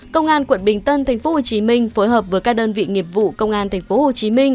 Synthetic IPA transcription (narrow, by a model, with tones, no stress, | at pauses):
kə˧wŋ͡mʔaː˧nkwə̰˧˩˨nɓï˨˩ŋ̟t̪ə˧nt̪ʰa˨˩jŋ̟fo˨˦ho˨˩t͡ɕi˨˦mï˧ŋ̟fo˨˦jɦəː˨˩p̚vəː˨˦jkaː˦˥k̚ɗəː˧nvḭ˧˨ŋi˨˩əp̚vṵ˧˨kə˧wŋ͡mʔaː˧nt̪ʰɛ˨˩ŋ̟fo˨˦ho˨˩t͡ɕi˨˦mï˧ŋ̟